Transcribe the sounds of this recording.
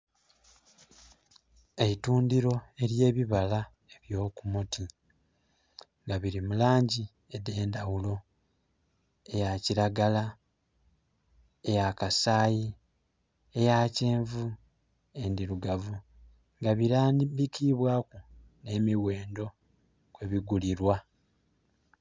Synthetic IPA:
e̞ituːndiɾo̞e̞ɾje̞ːβiβala | eβjo̞ːkumuti | ŋɡaβiɾimulaːɲɟi | ede̞ːndawulo̞ | e̞jaciɾaɡala | ejakasaːji | e̞jace̞ːɱvu | e̞ndiɾuɡavu | ŋɡaβiɾaːnbikiβwaːku | ne̞miwe̞ːndo̞ | kwe̞βiɡuliɾwa

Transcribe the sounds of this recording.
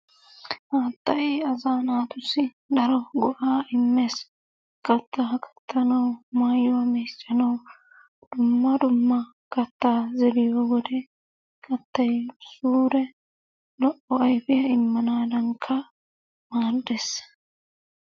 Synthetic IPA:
haːt̪ːɐjɐzaːnaːt̪ʊsɪ | d̪ɐɾɔɡɔʔaːʔɪmːeːs | kʼɐt̪ːɐɦɐkʰʼɐ̥t̪ːɐnɐwmaːjɔwɐmeːt͡ʃːɐnɐw | d̪̥ʊmːɐd̪ʊmːɐ | kʼɐt̪ːaːzɛlɪjɔːwɔd̪ɛ | kʼɐt̪ːɐjsuːɾɛ | lɔʔːɔɐjfɪjɐɪmːɐnaːd̪ɐŋkʰːɐ | maːɾd̪esː

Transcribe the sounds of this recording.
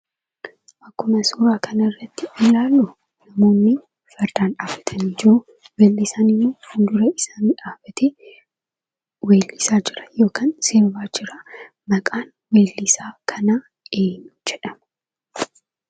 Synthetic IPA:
ʔɐkːʊmɐsuːɾaːkɐnɐrːɐt̪ːɪɪlaːlːʊ | nɐmo̞ːnːɪ | fɐɾd̪aːnᶑaːfɐ̥t̪ʰɐniːd͡ʒɪɾʊ | weːlːɪsaːnɪnːufʊnd̪ʊɾɐɪsaːnɪᶑaːfɐt̪e | weːlːɪsaːd͡ʒɪɾɐ̥jo̞ːkaːnseːɾbaːd͡ʒɪɾɐ | mɐkʼaːn | weːlːɪsaːkʰɐna | eːɲːʊ̥d͡ʒɛᶑɐmɐ

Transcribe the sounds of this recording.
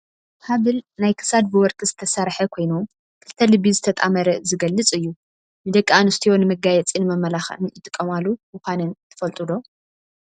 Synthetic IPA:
haβɨlnajkʰɨ̥sad̪̚bɨwɔɾt̪ʼizɨt̪ʰɐsɐɾħɐkʰo̞jnu | kʰɨlt̪ʰɐlɨbizɨt̪ʰɐt̪ʼamɐɾɐzɨɡɐlːɨt͡sʼɨjːu | nɨd̪ɐkʼːaanɨst̪ʰijo̞nɨmɐɡajɛt͡sʼinɨmɐmːɐlaxɨnɨt̪ʼɨkʼːɐmalumɨxʷanɨnt̪ʰɨ̥fɐlt̪ʼud̪o̞

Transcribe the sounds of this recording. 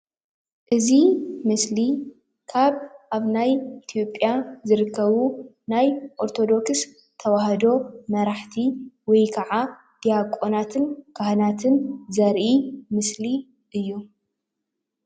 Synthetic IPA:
ʔɨzimɨsli | kʰaβʔaβnajit̪ʰijo̞pʼjazɨɾɨkʰːɐβu | najʔo̞ɾt̪ʰo̞d̪o̞ks | t̪ʰɐwaɦɐd̪o̞mɐɾaħt̪ʰiwɔjkʰɐʕa | d̪̥ijakʼo̞nat̪ʰɨnkʰahnat̪ʰɨnzɐɾʔimɨsli | ʔɨjːu

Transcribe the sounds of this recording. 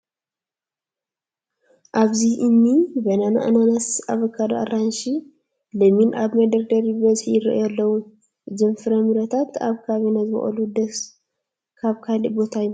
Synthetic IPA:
ʔaβziʔɨnːibɐnana̰ʔɨnanasa̰βɐkʰːad̪a̰ʔaɾanʃi | lɐminʔaβmɐd̪ɐɾd̪ɐɾibɐzħijɪrɐ̰ʔjalːɐwu | zɨmfɨɾɐmɨɾɐt̪ʰat̪ʰa̰βkʰaβenazɨmɐ̰χʼɐ̰lud̪ɐs | kʰaβkʰalibo̞t̪ʰajɪ

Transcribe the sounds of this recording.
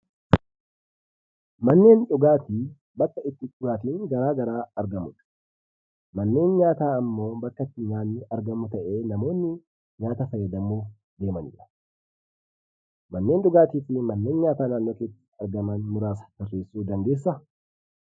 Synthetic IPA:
mɐnːe̞ːnᶑʊɡaːt̪i | bɐkːɐɪt̪ːɪkʼʊɾaːt̪ɪŋɡɐɾaːɡɐɾaːɐɾɡɐmʊᶑɐ̥ | mɐnːe̞ːnɲaːt̪aːɐmːo̞ːbɐkːɐt̪ːɪɲaːnɪɐɾɡɐmʊt̪ɐʔe̞ːnɐmo̞ːnːɪ | ɲaːt̪ɐfɐjːɐd̪ɐmːoː | d̪e̞ːmɐnɪ̰ᶑɐ̥ | mɐnːe̞ːnᶑʊɡaːt̪iːfɪmɐnːe̞ːnɲaːt̪aːnaːnːo̞ːkeːsɐ̥ɐɾɡɐmɐnmʊɾaːsɐ̥t̪ɐrːe̞ːsːuːd̪ɐnd̪eːs̬ːɐ

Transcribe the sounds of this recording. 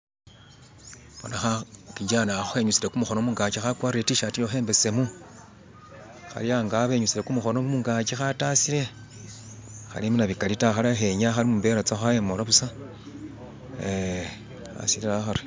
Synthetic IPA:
βonaxakid͡ʒanaxuxe̞ɲut͡siɾe̞kumuxo̞nomuːŋɡat͡ʃixakwaːrietiʃatijoxe̞ːmbe̞se̞mu | xa̰liaːŋɡaβe̞ɲut͡siɾe̞kumuxo̞nomuŋɡat͡ʃixatasiɾe̞ | xa̰limunaβikalitaxalaxe̞ɲaxalimumbeɾat͡saxajemolaβusa | e | a̰siliɾaxaɾi̥

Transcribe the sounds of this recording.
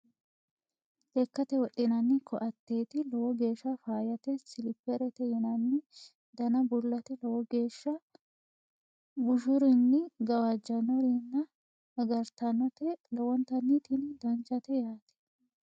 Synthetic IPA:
ʔɛkːɐt̪ɛwɔɗɪnɐnːɪkʰɔʔɐt̪ːeːt̪ɪlɔwɔɡe̞ːʃːɐfaːjɐt̪ɛsɪlɪpːɛɾɛt̪ɛjɪnɐnːɪ | d̪ɐnɐbʊlːɐt̪ɛlɔwɔɡe̞ːʃːɐ | bʊʃʊɾɪnːɪɡɐwad͡ʒːɐnɔɾinːɐ | ɐɡɐɾt̪ɐnɔt̪ɛlɔwɔnt̪ɐnːɪt̪ɪnɪd̪ɐnt͡ʃɐt̪ɛjaːt̪ɪ̥

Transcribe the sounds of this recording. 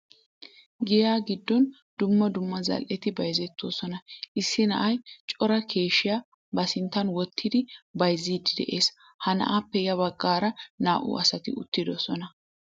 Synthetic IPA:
ɡɪjaːɡɪd̪ːɔn | d̪̥ʊmːɐd̪ʊmːɐzɐ̰lʔɛt̪ɪbɐjzɛt̪ːoːsɔnɐʔɪsːɪnɐ̰ʔɐjt͡ʃʼɔɾɐkʰe̞ːʃɪjaː | bɐsɪnt̪ːɐnwɔt̪ʰːɪd̪ɪbɐjziːd̪ɪd̪ɛ̰ʔe̞ːs | hɐnɐ̰ʔaːpːɛjɐbɐɡːaːɾɐnaːʔʊ̰ɐsɐt̪ɪʊ̰t̪ːɪd̪ɔsɔnɐ

